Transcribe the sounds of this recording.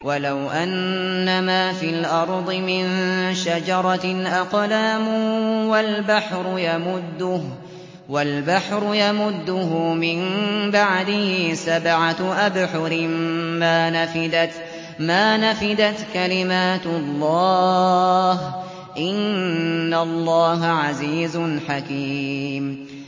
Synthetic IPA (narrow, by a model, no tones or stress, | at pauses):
walawʔanː | amaːfilʔɑɾˤd̪ˤɨmɪnʃad͡ʒɑɾˤɑʔaqlaːmʊwalbaħɾʊjamʊd̪ːʊ | walbaħɾʊjamʊd̪ːʊɦʊmɪmbaʕd̪ɪhsabʕaʔabħʊɾɪmmaːnafɪd̪at̪ | maːnafɪd̪at̪kalɪmaːt̪lˤːɑː | h | ʔɪnː | alˤːɑːɦaʕaziːzʊnħakiːm